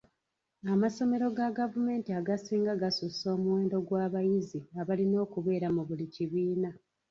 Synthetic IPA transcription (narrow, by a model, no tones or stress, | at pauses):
amaso̞me̞ɾo̞ɡaɡavume̞ːntiaɡasiːŋɡaɡasuso̞ːmuwe̞ːndo̞ɡwaːβajiziaβalino̞ːkuβe̞ːɾamuβuliciβiːna